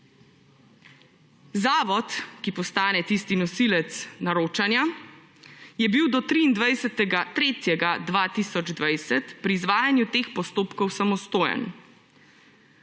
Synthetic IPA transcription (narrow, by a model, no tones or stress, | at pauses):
zaːʋɔt̪kipɔst̪aːnɛt̪ist̪inɔsilɛt̪snaɾoːt͡ʃanja | jɛbiwd̪ɔt̪ɾiːnd̪ʋajsɛt̪ɛɡat̪ɾeːt̪jɛɡad̪ʋaːt̪isɔd͡ʒd̪ʋajsɛt̪pɾiːzʋaːjanjut̪eːxpɔst̪oːpkɔwsamɔst̪oːjɛ̰n